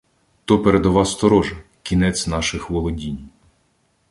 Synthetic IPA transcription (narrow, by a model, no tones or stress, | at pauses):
t̪ɔpeɾed̪ɔʋɑst̪ɔɾɔʒɐ | kʲinɛt͡sʲnɑʃɪxʋɔlˠɔdʲinʲ